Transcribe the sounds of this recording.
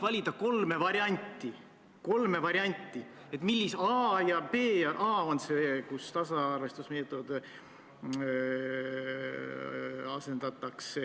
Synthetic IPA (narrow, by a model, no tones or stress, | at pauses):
vɑlʲid̪̥ɑko̞lme̞vɑɾjɑnʲt̪ːˑi | ko̞lme̞vɑɾiɑnʲt̪ːˑi | e̞t̪ˑmilʲːisɑjɑpe̞ːjɑʔɑːonsekust̪ɑsɑɑrve̞st̪usme̞ːt̪ˑo̞d̪̥ | ɑse̞nd̪̥ɑt̪ːˑɑkse